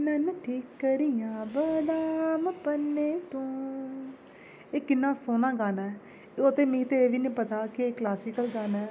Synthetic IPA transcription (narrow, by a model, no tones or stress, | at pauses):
nənʈʰiːkːəɾijãːbəd̪aːmpənːeːt̪õː | eːkɪnːãːsoːnãːɡaːnaː | ot̪eːmĩːt̪eeːʋiːnĩːpət̪aːkɪeːklaːsiːkəlɡaːnaː